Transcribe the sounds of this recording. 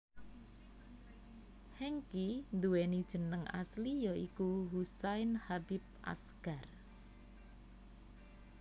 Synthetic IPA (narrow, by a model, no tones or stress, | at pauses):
hɛŋkind̪uwenid̥ʒ̥ə̤nəŋa̰slijɔikuɦusaɪnhabip̚ʔa̰skar